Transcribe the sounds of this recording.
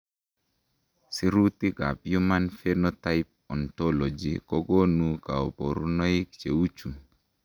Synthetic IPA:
si˦ɾu˦t̪i˦ɡa˨pjuma˦nfɛnɔtaip̚ɔ˨ntɔlɔ˨d͡ʒḭkɔ˦ɡo˦nuka˨ɔ˨po˨ɾu˦nɔ˦i˦kt͡ʃe˨u˦t͡ʃu˨

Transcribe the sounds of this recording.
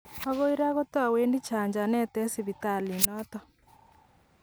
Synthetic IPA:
ɔ˦ɣo˦i˦ɾa˦ɣo˦tɔ˦a˨weː˦ndi˦t͡ʃa˨ɲd͡ʒa˨nɛ˦tɛ˦si˨βi˨ta˨li˨nɔtɔ˦

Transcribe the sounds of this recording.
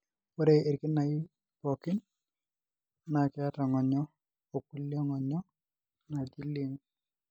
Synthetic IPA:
wo˦ɾe˨e˨ɾki˦na˨i˦ | pɔ˨kɪ˦n | na˨kɪ˨˦a˦ta˨ŋɔ˨ɲɔ˦ | o˨ku˦ljɔ˦ŋɔ˨ɲɔ˦ | na˨d͡ʒi˦li˦ŋ

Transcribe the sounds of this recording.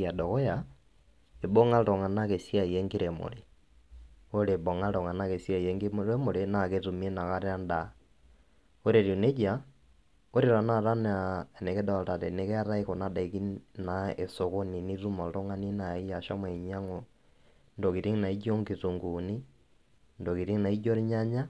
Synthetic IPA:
a˨dɔ˨kɔ˦ja˨ | e˨bɔ˦ŋa˦ltɔ˨ŋa˨na˦ke˨si˦a˦˨i˨jɛ˦ŋɡi˦ɾe˨mo̰˨le˨ | o˦le˨bɔ˨ŋa˦ɾɔ˨ŋa˨na˦ke˨sja˦i˨jɛ˦ŋɡeɾe˦mo˨lena˨ke˦tu˨m˦ɛ˦na˨ka˦ɾe˦a˦nda | o˦ɾe˨ɾi˨u˨ne˦d͡ʒa˨˦ | o˦ɾe˨ɾa˨na˦ɾa˦na˨ne˨ke˦da˨ta˨ɾḛ˨ne˨kɛ˦a˦ɾa˦iko˨na˦da˨ki˦na˨e˨so˨ko˦ni˨ni˦ɾu˦ma˨ɾo˦ŋa˦ni˦na˨i˦a˨ʃa˦mwɛ˨ɲa˦ŋo˨ | ndo˨ki˨ɾi˦ŋna˨i˦d͡ʒo˦ŋɡi˨tu˨ŋɡuni˦ | ndo˨ki˨ɾi˦ŋna˨i˦d͡ʒo˦ɾi˦ɲa˦ɲa˦

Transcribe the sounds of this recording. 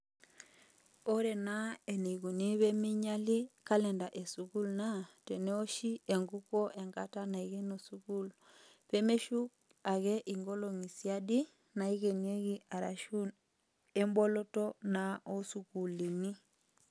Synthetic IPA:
o˦ɾɛ˨na˦e˨ne˨ɣu˨ni˦βɛ˦mi˦ɲa˦li˦ka˦lɛ˨nda˨ʔe˨su˨ku˦lna˦tɛ˨ne˦o˦ʃi˦e˨ŋɡu˦kɔ˦ʔe˨ŋɡa˦ta˦na˨i˨ɣe˦no˨su˨ku˦l | pe˦me˦ʃu˦k | a˨ɣɛ˦ʔi˨ŋɡɔ˦lo˨ŋi˨sia˦di˦ | na˨i˦ɣe˨ne˦ɣi˦a˨ɾa˨ʃu˦n | e˦mbɔ˦lɔ˦tɔ˦na˨o˦su˨ku˨li˨ni˦

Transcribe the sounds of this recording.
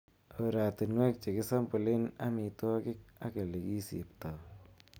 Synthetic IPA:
o˨ɾa˨tɪ˨nwɛ˦k̚t͡ʃe˨kɪ˦sa˦mbʊ˨lɪ˦na˦mi˨tɔ˦kɪ˦k̚a˦ke˨le˨ki˦sḭ˨pta˨

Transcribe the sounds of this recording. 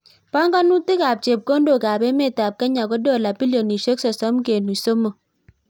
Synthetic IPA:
pa˦ŋɡa˦nu˦tɪ˦ka˨p̚t͡ʃe˨p̚ko˦ndo˨ka˨be˦me˦˨ta˨p̚ka˦ɲa˨ko˦dɔ˦˨la˨bi˦lo˨ni˨ʃe˦ksɔ˨sɔ˦mke˨nu˨so˦mo˨

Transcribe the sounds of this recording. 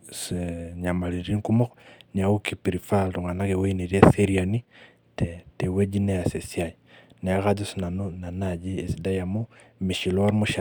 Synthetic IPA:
seɲa˨ma˨li˨ɾi˦ŋku˦mɔ˦knia˨uki˦piɾi˨faltu˨ŋa˨na˦ke˨we˦ine˨ɾi˦e˦seɾjani˦ | tete˨we˦d͡ʒi˦nɛ˦a˨se˨siaj | n˨a˨ka˦d͡ʒu˦sna˨nu˦na˨nad͡ʒi˦e˨si˨da˦ja˨mumi˨ʃi˨lɔɾmu˦ʃa

